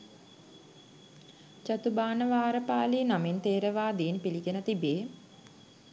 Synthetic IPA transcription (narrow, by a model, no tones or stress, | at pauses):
t͡ʃat̪ubaːnəʋaːɾəpaːliːnamint̪eːɾəʋaːd̪eːnpiliɡenət̪ibeː